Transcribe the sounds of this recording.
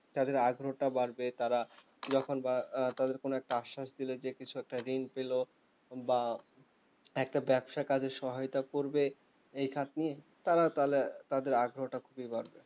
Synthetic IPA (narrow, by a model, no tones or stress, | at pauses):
t̪ad̪eɾaɡʱɾoʈabaɾbet̪aɾa | d͡ʑɔkʰonbat̪ad̪eɾkonoɛk̚ʈaaʃːaʃd̪iled͡ʑekit͡ɕʰuɛk̚ʈaɾinpelo | ba | ɛk̚ʈabɛbʃakad͡ʑʱeʃɔɦojt̪akoɾbe | ejkʰat̪̚nie | t̪aɾat̪alet̪ad̪eɾaɡʱɾoʈakʰubibaɾbe